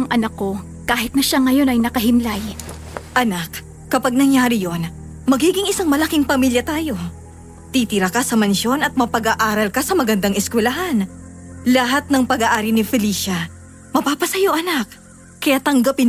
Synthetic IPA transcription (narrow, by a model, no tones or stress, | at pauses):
ɐŋʔɐnɐkːo̞ | kaːɦɪt̪̚nɐʃaŋɐjo̞nɐjnɐkɐɦɪmlaj | ʔɐnakː | ɐpɐɡ̚nɐŋjaːɾɪjo̞n | mɐɡiːɡɪŋɪsaŋmɐlɐkiŋpɐmiːljɐt̪aːjo̞ | t̪it̪ɪɾakɐsɐmɐnʃo̞nɐt̪̚mɐpɐɡaːʔaːɾɐlkɐsɐmɐɡɐnd̪aŋɛskwɛlɐɦanlɐɦat̪̚nɐŋpɐɡaːʔaːɾinɪfɛliːʃɐ | mɐpaːpɐsɐjoʔɐnak̚ | kːɐjaːt̪ɐŋɡɐpɪ